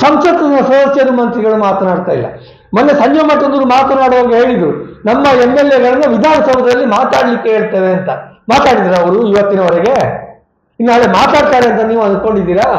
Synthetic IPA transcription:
sɐmsɐt̪ːɐinːɐsʋɐːd̪ɐsjɐd̪umɐnt̪ɾiɡɐɭumaːt̪ɐnaːɽt̪aːjilːɐ̰ | mɐnːesɐɲd͡ʒomaʈːond̪uɾumaːt̪ɐnaːɽuʋaːɡuɦe̞ːɭid̪ɾunɐmːɐemːelːeɡɐɭɐnːɐʋid̪ʱaːnɐsɐbʱɐd̪ɐlːimaːt̪aːɽɐlikːeɦeːɭt̪ɐʋe̞ɐnt̪ɐmaːt̪aːɽid̪iːɾɐːʋɐɾuiʋɐt̪ːinɐɔɾɛɡe̞ | inːuaːɭemaːt̪aːɽt̪aːɾeɐnt̪ɐniːʋuɐnd̪̚ko̞ɳɖid̪ːiːɾɐ

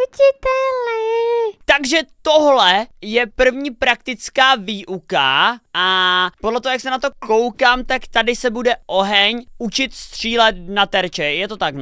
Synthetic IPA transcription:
ucɪt̪ɛlnɛt̪aɡʒɛt̪oɦlɛjɛpr̩vɲiːpɾak̚t̪ɪt͡skaːviːʔuka̰ʔapodlɛt̪oɦojaksɛnat̪o̞ko̞wkaːmt̪akt̪adɪsɛbudɛʔo̞ɦɛɲut͡ʃɪt̪st̪r̝̥iːlɛt̪̚nat̪ɛɾt͡ʃɛjɛt̪o̞t̪ak

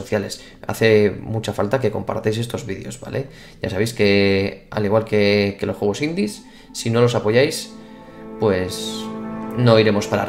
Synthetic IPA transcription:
oθjale̞s | a̰θe̞mut͡ʃafalt̪ake̞ko̞mpa̰ɾt̪ejs̬e̞st̪o̞zβiðḛo̞̰zβa̰lʔe̞ | ɟ͡ʝa̰saβ̞ejske̞a̰liɣwalke̞kelo̞xweβo̞sind̪isː | ino̞lo̞sapo̞ʝajs | pwe̞s | no̞iɾe̞mo̞spaɾa̰

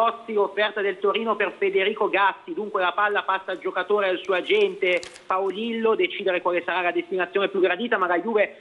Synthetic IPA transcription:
ɔt̪siofːɛrt̪ad̪elt̪oɾiːnoperfed̪eɾiːkoɡasːid̪uŋkwelapalːapasːald͡ʒokat̪oːɾedalsuːad͡ʒɛnt̪epaolilːod̪et͡ʃiːd̪eɾekwaːlesaɾalad̪est̪inat̪sjoːnepjuɡːɾad̪iːt̪amaɡajuːve

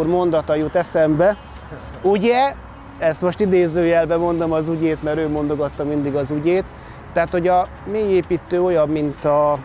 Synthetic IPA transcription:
urmo̞nd̪ɒt̪ɒjut̪ɛsɛmbɛ | uɟɛ | ɛst̪mo̞ʃt̪id̪eːzøːjɛlbɛmo̞nd̪o̞mɒzuɟeːt̪mɛɾøːmo̞nd̪o̞ɡɒt̪ːɒmind̪iɡɒzuɟeːt̪ː | ɛɦat̪ho̞ɟɒ | meːjeːpiːt̪øːo̞jɒmːint̪ɒ

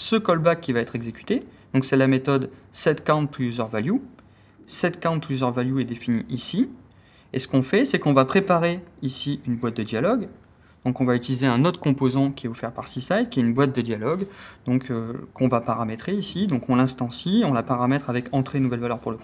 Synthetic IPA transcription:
səkɔlbakʲːivaɛt̪χɛɡzekʲy̥t̪ed̪̥ɔ̃ksɛlamet̪ɔd̪sɛt̪kãt̪ːujuzœʁvalju | sɛt̪kãt̪ːujuzœʁvaljuɛd̪efiniʔisi | esə̥kɔ̃fɛsɛkɔ̃vapχepaʁeisiynbwat̪̚d̪əd̪jalɔɡ | d̪̥ɔ̃kɔ̃vayt̪ilizeɛ̃not̪χə̥kɔ̃pozɑ̃kʲiɛufɛʁpaʁsisajd̪̚kʲiɛynbwat̪̚d̪əd̪jalɔɡd̪ɔ̃køkɔ̃vapaʁamet̪χeisid̪ɔ̃kɔ̃lɛ̃st̪ɑ̃siɔ̃lapaʁamɛt̪χavɛkɑ̃t̪χenuvɛlvalœʁpuʁlək

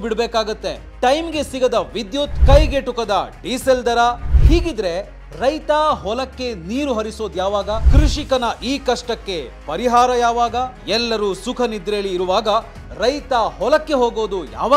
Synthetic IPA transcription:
biɽbeːkaːɡɐt̪ːe̞ | ʈɐjmɡe̞siɡɐd̪ɐʋid̪jut̪kɐjɡeʈukɐd̪ɐɖiːseld̪ɐɾahiːɡid̪ɾe̞ | ɾɐjt̪aːɦɔlɐkːe̞niːɾuɦɐɾiso̞ːd̪jaːʋaːɡɐkɾuʂikɐnɐʔiːkɐʂʈɐkːe̞pɐɾiɦaːɾɐjaːʋaːɡɐ | ɛlːɐɾuːsukʰɐnid̪ɾeːliːɾuʋaːɡɐ | ɾɐjt̪aːhɔlɐkːe̞ɦoːɡo̞ːd̪uja̰ːʋaː

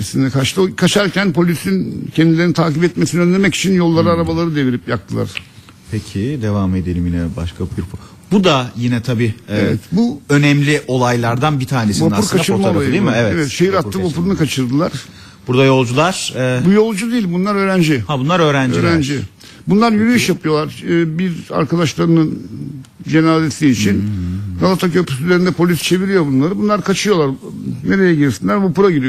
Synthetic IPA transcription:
sind̪ɛkʰat͡ʃt̪ʰɯkʰat͡ʃʰaɾcʰænpo̞lʲisincʰɛnd̪ilʲeɾnit̪ʰaːcipɛt̪mesiniønd̪ʲemɛci̥t͡ʃʰinjo̞lˠːaɾɯaɾabalˠaɾɯd̪e̞viɾipjak̚t̪ʰɯlˠa̰ɾ̥ | pʰecʰid̪evame̞d̪elʲiminɛba̰ʃkʰabɡɾupʰu | bud̪ajinɛt̪ʰabiːevɛ̰t̪buø̞nɛmlʲiʔo̞lˠajlˠaɾd̪anbit̪ʰaːnesivapuɾkʰat͡ʃɯɾmaoajid̪imɛvɛevɛt̪ʃejiɾat̪ːɯvapuɾunɯkat͡ʃʰɯɾd̪ɯlˠaɾ̥ | b̥uɾd̪ajo̞lˠd͡ʒulˠaɾ̥bujo̞lˠd͡ʒud̪ejilʲbunlˠaɾø̞ːɾænd͡ʒihabunaɾøːɾænøiːɾænd͡ʒi | bunlˠaɾjyɾyjyʃjapɯjo̞lˠaɾːbiɾa̰ɾkad̪aʃlˠaɾɯnɯn | d͡ʒe̞naːzesiːt͡ʃʰinɡalˠat̪ʰacʰøɾpy̥syzeɾind̪ɛpʰo̞lʲist͡ʃʰe̞viɾijo̞bunlˠaɾɯbunlˠaɾkʰat͡ʃʰɯjo̞lˠaɾne̞ɾe̞jɛɟilʲsinlʲæɾvapuɾaɟiɾij

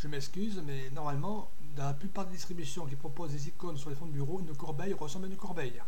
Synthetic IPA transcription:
ʒ̥əmɛkskʲyzmɛnɔʁmalmɑ̃ | d̪ɑ̃laplypaʁd̪ed̪ist̪χibysjɔ̃k̬ʲipχɔpozd̪ezikonsyʁlefɔ̃d̪əbyʁoynəkɔʁbɛjʁəsɑ̃blaynəkɔʁbɛj

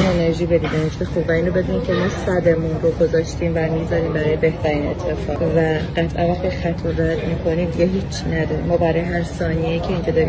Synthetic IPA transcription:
neneɾʒiːbe̞d̪iːd̪ænet͡ʃʰizexuːbvæiːnɾobe̞d̪uniːmcʰemɒːsæd̪e̞munroɡo̞zɒːʃt̪iːmvæmizɒɾiːmbæɾɒːjebe̞ht̪ʰæɾiːne̞̰t̪ʰːe̞fɒːvæɢæt̪ʰʔæ̰nvæxt̪ixæt̪ʰɔɾæd̪miːkʰo̞niːd̪iɡʲeɦiːt͡ʃʰːnæd̪ɒɾimɒːbæɾɒːjeɦæɾsɒːnieiːcʰeinced̪ɒːɾi

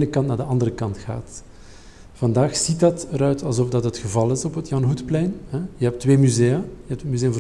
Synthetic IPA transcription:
nəkɑntnaːrdəʔɑndəɾəkɑntxa̰ːt | v̥ɑndaːxsitɑtəɾœɥtʰɑlˠzɔfdɑtɦətxəvɑlˠɪsɔpɦətjɑnɦutplɛjnhɛjəɦɛp̚tʋeːmyzeːəjəɦɛptətmyzeːəmvo

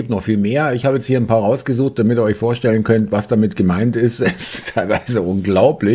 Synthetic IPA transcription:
iːptnɔχfiːlmeːɐɪçhaːbəjɛt͡sthiːɐnpʰaːʁaʊsɡ̥əzuːxt̚d̥amɪtiːɐɔʏçfoːɐʃtɛlənkʰœntv̥asd̥amɪtɡ̥əmaɪntɪstɛstʰːaɪlvaɪzəʔʊnɡlaʊplɪç

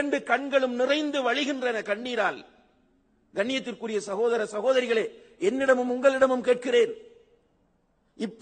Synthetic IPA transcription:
ɐɳɖɯkɐɳɡɐɭɯmnɪrɐɪnd̪ɯʋɐɻɪɣɪndrɐnɐkɐɳːiːɾaːl | ɡɐɳːɪjɐt̪̬ːɪrkɯrɪjɐsɐɣoːðɐɾɐsɐɣoːðɐɾɪɣɐɭeː | ɛnːɪɽɐmɯmʊŋɡɐɭɪɽɐmɯmkeːʈ̚kɪreːɾ | ɪpː

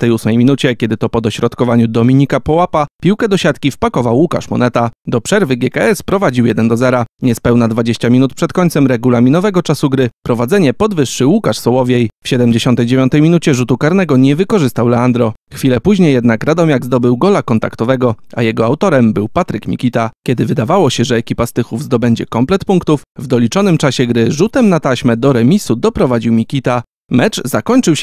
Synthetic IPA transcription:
ft̪ɛjusmɛjmʲinut͡ɕɛkʲɛd̪ɘt̪ɔpɔd̪ɔɕɾɔt̪kɔvaɲud̪ɔmʲiɲikapɔwapapʲiwkɛd̪ɔɕat̪kʲifpakɔvawːuka̰ʂmɔ̰nɛt̪ad̪ɔpʂɛɾvɘɡʲjɛkaɛspɾɔvad͡ʑiwjɛd̪ɛnd̪ɔzɛɾaɲɛspɛwnad̪vad͡ʑeɕt͡ɕamʲinut̪̚pʂɛt̪̚kɔɲʲt̪sɛmɾɛɡulamʲinɔvɛɡɔt͡ʂasuɡɾɘpɾɔvad̪zɛɲɛpɔd̪vɘʂːɘwukaʂsɔwɔvʲjejfɕɛd̪ɛmd͡ʑeɕɔnt̪ɛjd͡ʑevʲjɔnt̪ɛjmʲinut͡ɕɛʐut̪ukaɾnɛɡɔɲɛvɘkɔʐɘst̪awlɛand̪ɾɔxfʲilɛpuʑɲejːɛd̪nakɾad̪ɔmʲjaɡzd̪ɔbɘwɡɔlakɔnt̪a̰kt̪ɔvɛɡɔa̰jɛɡɔawt̪ɔɾɛmbɘwpat̪ɾɘkmʲḭkʲit̪akʲɛd̪ɘvɘd̪avawɔɕɛʐɛːkʲipast̪ɘxuvzd̪ɔbɛɲd͡ʑɛ̰kɔmplɛt̪puŋkt̪ufvd̪ɔlʲit͡ʂɔnɘmt͡ʂaɕɛɡɾɘʐut̪ɛmnat̪aɕmɛd̪ɔɾɛmʲisud̪ɔpɾɔvad͡ʑiwmʲikʲit̪a | mɛt͡ʂzakɔɲt͡ʂɘwɕ

